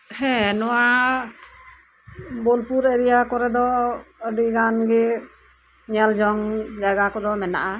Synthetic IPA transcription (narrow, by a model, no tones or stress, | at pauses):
hɛ̃nɔwa | bɔlpuɾeɾijakɔɾɛd̪ɔəɖiɡanɡɛ | ɲald͡ʒɔŋd͡ʒaɡakɔd̪ɔmɛna̰ʔa